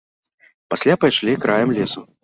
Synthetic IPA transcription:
pasʲlʲapajʂlʲikɾʔajɐmlʲɛsu

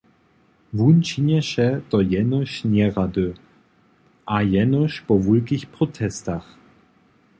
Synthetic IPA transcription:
vunt͡ʃinɛʃɛt̪ɔjɛnɔʃnɛʁadø | ʔajɛnɔʃpɔvulkixpʁɔtʰɛstax

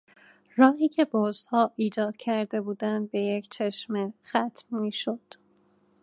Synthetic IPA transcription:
rɒːhiːcʰe̞bozd̪hɒːʔiːd͡ʒɒːd̪̥cʰæɾd̪e̞buːd̪ænd̪̚be̞jecʰt͡ʃʰe̞ʃmexæt̪ʰmmiːʃod̪̥

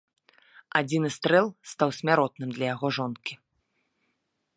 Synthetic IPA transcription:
ad͡zʲinɨst̪ɾɛlˠst̪awsʲmʲaɾɔt̪̚nɨmd̪lʲɐjaɣɔʐɔnkʲi

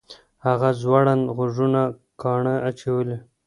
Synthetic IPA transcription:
haɣazwaɽanɣʊʐuna | kɑɳəat͡ʃawəle

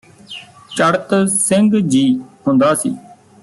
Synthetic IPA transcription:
t͡ʃəɽt̪sɪŋɡd͡ʒiːɦʊ̃nd̪aːsḭː

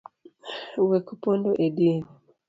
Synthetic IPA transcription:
wekupondoʔedin

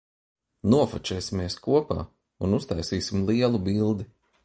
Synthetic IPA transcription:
nuɔfut͡ʃɛːsimiɛskuɔpa̰ː | unust̪ajsiːsimlˠiɛlˠubilˠd̪i

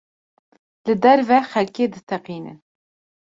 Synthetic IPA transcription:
lɨd̪ɛɾvɛxɛlkeːd̪ɨt̪ʰɛqiːnɨ̰n

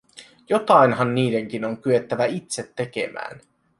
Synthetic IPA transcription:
jo̞t̪ɑinhɑnːiːde̞ŋk̟inoŋkye̞t̪ːæʋæit̪se̞t̪ːe̞k̟ḛmæ̰ːn

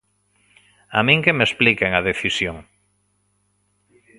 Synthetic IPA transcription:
amĩŋkemesplikeŋaðeθisjoŋ

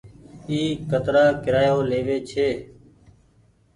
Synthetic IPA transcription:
iːkət̪ɾaːkɪɾaːjoːleːʋeːt͡ʃʰeː

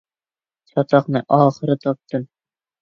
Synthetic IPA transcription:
sɒt̪ɑqnɤʔɒχɤ̆ɾɤt̪ɒp̚t̪ɤm

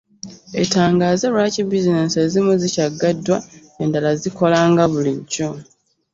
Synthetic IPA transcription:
e̞̰taːŋɡaːzeɾwacibizinesezimuzicaɡːadːwa | endalaziko̞laːŋɡaβuliɟːo̞

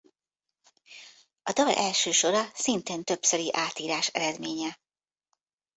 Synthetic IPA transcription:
ɒd̪ɒlʔɛlʃøːʃo̞ɾɒsint̪eːnt̪ø̞psøɾiʔaːt̪iːɾaːʃɛ̰ɾɛd̪meːɲɛ

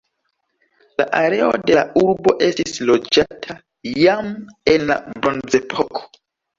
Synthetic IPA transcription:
la̰ʔaɾe̞o̰de̞lauɾbo̞ʔestislod͡ʒatʰa | jamenla̰bɾonzepʰokʰo̥

